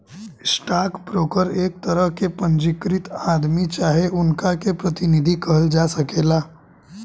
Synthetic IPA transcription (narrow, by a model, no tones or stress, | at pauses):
sʈaːkbɾoːkəɾeːk̚t̪əɾəɦkepə̃ɲd͡ʒɪkɾɪt̪aːd̪mit͡ʃaːɦeʔʊnkakepɾət̪ɪnɪd̪ʱikəɦəld͡ʒaːsɐkeːlaː